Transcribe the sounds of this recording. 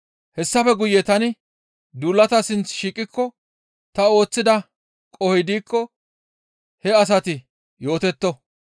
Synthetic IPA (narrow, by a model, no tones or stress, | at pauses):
hɛsːɐfɛɡʊjːɛt̪ɐnɪ | d̪uːlːɐt̪ɐsɪnt͡sʃiːkʼːɪkːɔ | t̪ɐo̞ːt͡sːɪd̪ɐ | kʼɔhɪd̪iːkʰːɔ | hɛɐs̬ɐt̪ɪ | jo̞ːt̪ɛt̪ːɔ